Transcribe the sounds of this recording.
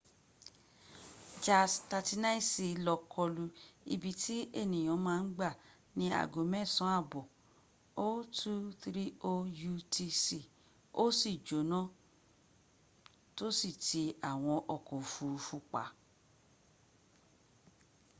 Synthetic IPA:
d͡ʒa˨sta˧ti˧nã˦i˦si˧lɔ˧kʰɔ˧lu˧ḭ˧bi˨˧tʰi˦e˦˨nĩ˨j̃ɔ̃˨˦mãː˦˧n̩˦ɡ͡ba˦˨ | nĩ˧˦a̰˨ɡo˨˦mɛ̃˦˨sɔ̃˨˦a˦˨bɔ˨ | o˦tʰu˦θɾi˦o˧ju˧tʰi˧si˧˨ | o˦si˦˨d͡ʒo˨˦nã˦ | to˦si˦˨tʰi˧a˨w̃ɔ̃˧ʔɔ˨kɔ˨fu˨˧fu˧k͡pa̰˨˦

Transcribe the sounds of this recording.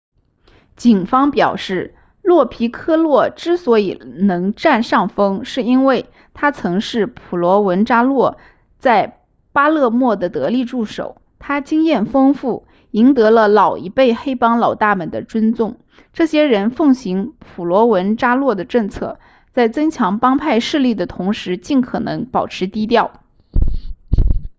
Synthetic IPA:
t͡ɕi˨˩nfɑ˥ŋpjɑ˨˩ʊʂɻ̩˥˩ | lwɔ˥˩pʰi˧˥kʰɤ˥lwɔ˥˩ʈ͡ʂɻ̩˥swɔ˧˥i˨˩nɤ˧˥ŋʈ͡ʂa˥˧nʂɑ˥˩ŋfɤ˥ŋʂɻ̩˥˩i˥nwe˥˩ɪ | t̪ʰa˥t͡sʰɤ˧˥ŋʂɻ̩˥˩pʰu˨˩lwɔ˧˥wə˧˥nʈ͡ʂa˥lwɔ˥˧ | t͡sa˥˩ɪ | pa˥lɤ˥˧mwɔ˥˩d̪ə˩t̪ɤ˧˥li˥˧ʈ͡ʂu˥˩ʂo̰˨˩˦ʊ | t̪ʰa˥t͡ɕi˥ŋjɛ˥˩nfɤ˥ŋfu˥˩ | i˧˥ŋt̪ɤ˧˥lə˧lɑ˨˩ʊi˧˥pe˥˩ɪxe˥ɪpɑ˥ŋlɑ˨˩ʊt̪a˥˩mə˨˩nd̪ə̰˦ʈ͡ʂwə˥nt͡sʊ˥˩ŋ | ʈ͡ʂɤ˥˩ɕjɛ˥ɻə˧˥nfɤ˥˩ŋɕi˧˥ŋpʰu˨˩lwɔ˧˥wə˧˥nʈ͡ʂa˥lwɔ˥˩d̪ə˩ʈ͡ʂɤ˥˧ŋt͡sʰɤ̰˥˩ | t͡sa˥˩ɪt͡sɤ˥ŋt͡ɕʰjɑ˧˥ŋpɑ˥ŋpʰa˥˧ɪʂɻ̩˥˧li˥˩d̪ə˩t̪ʰʊ˧˥ŋʂɻ̩˧˥t͡ɕi˥˩nkʰɤ˨˩nɤ˧˥ŋpɑ˨˩ʊʈ͡ʂʰɻ̩˧˥t̪i˥t̪jɑ˥˩ʊ

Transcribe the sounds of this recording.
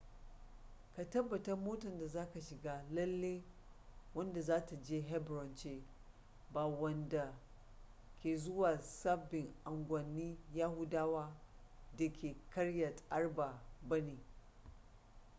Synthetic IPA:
ka˨tɐ˦bːɐ˨tɐ˦rmoː˦tɐ˨nda˨zaː˦ka˨ʃɪ˨ɡaː˦lɐ˦lːe˦ | wɐ˦nda˨zaː˦ta˨d͡ʒeː˦ɦɛ˦bɾɔ˨nt͡ʃeː˦ | baː˨wɐ˦nda˨ | kʲeː˨zʊ˦waː˨sa˦bɪ˨ŋʔa˨ŋɡʷɐ˨nːiː˦jaː˦hʊ˦daː˦waː˦ | da˨kʰʲeː˨kɐ˦ɽjɐ˨tʔa˦rba˨bɐ˦neː˨

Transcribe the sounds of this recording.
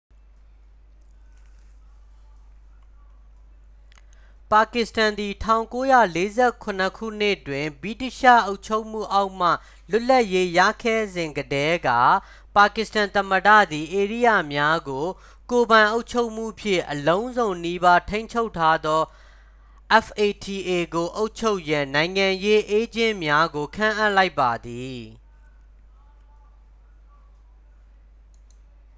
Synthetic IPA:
pa˨kɪ˨stã˨nd̪i˨tʰã˦˨ʊ̃ŋko˦jä̰˦˨le˦zɛ˦˨kʰʊ̃˨nə˨kʰṵ˦˨n̥ɪ˦˨twɪ̃˨mbɹi˦˨ti˦˨ʃä̰˦˨ʔo˦ʊt͡ɕʰo˦ʊʔm̥ṵ˦˨ʔa˦ʊʔm̥ä̰˦˨ | lʊ˦lːa˦ʔje˦jä̰˦˨kʰɛ˦˨zɪ̃˨ŋɡədɛ˦ɡa̰˦˨ | pa˨kɪ˨stã˨nt̪ə˨mədä̰˦˨d̪i˨ʔe˨ɹḭ˦˨jä̰˦˨mja˦ɡo˨ | ko˨bã˨ɪ̃ʔo˦ʊt͡ɕʰo˦ʊʔm̥ṵ˦˨pʰjɪ̰̃˦˨ʔəlõ˦ʊ̃nzõ˨ʊ̃ni˦ba˦tʰẽ˦ɪ̃ɲt͡ɕʰo˦ʊtʰːa˦d̪ɔ˦ | ʔɛ˦fʔe˨tʰi˨ʔe˨ɡo˨ʔo˦ʊt͡ʃʰo˦ʊʔjã˨nã˨ɪ̃ŋã˨je˦ʔe˦d͡ʑɪ̃˦mja˦ɡo˨kʰã̰˦˨ʔa˦˨ʔla˦ɪpːa˨d̪i˨

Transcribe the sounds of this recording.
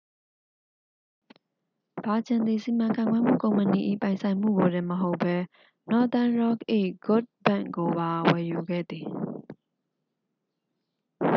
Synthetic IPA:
b̥a˨d͡ʑã˨nd̪ði˨si˨mã˨ŋkʰã˨ɪ̃ŋɡwɛ˦m̥ṵ˦˨kõ˨ʊ̃mpə˨ni˨ʔḭ˦˨pã˨ɪ̃sʰã˨ɪ̃m̥ṵ˦˨ɡo˨dɪ̃˦məɦo˦ʊpʰːɛ˦ | nɔ˦t̪ã˦nɹɔ˦˨kʔḛ˦˨ɡ̥ʊ˦˨t̚bã̰˦˨ŋɡo˨ba˨wɛ˨ju˨ɡɛ̰˦˨d̪ði˨

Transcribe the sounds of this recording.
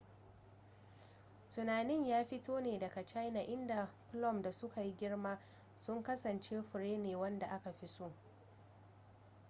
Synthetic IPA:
tʊ˨naː˨nɪ˦˨ɲjaː˦ɸɪ˦toː˦neː˨dɐ˨ka˨t͡ʃa˦jna˨ʔɪ˦nda˨pʊ˦lɔ˦˨mda˨sʊ˦ka˨ji˦ɡʲɪ˦rmaː˦ | sʊ˦ŋkɐ˦sɐ˨nt͡ʃeː˦ɸʊ˨ɾeː˦neː˨wɐ˦nda˨ʔa˦ka˨ɸi˦sʊ˦

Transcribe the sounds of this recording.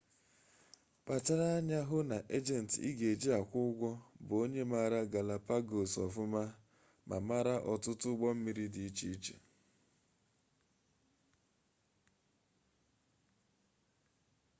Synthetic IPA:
pa˨t͡ʃa˦ɾa˦a˦ɲa˦ɦʊ˦na˨ʔe˦d͡ʒɛ˨n̩˨tḭ˦ɡe˨d͡ʒi˦a˨kʷʊ˦ɡʷɔ˦bo˦ɲe˦ma˦˨ɾa˦ɡa˨la˨pa˦ɡo˨sɔ˨fʊ˦ma˦ | ma̰˨ma˦ɾa˦ʔɔ˨tʊ˦tʊ˦ɡ͡bɔ˦m̩˦mi˦ɾi˦dɪ˨i˦t͡ʃi˦i˦t͡ʃe̥̰˨

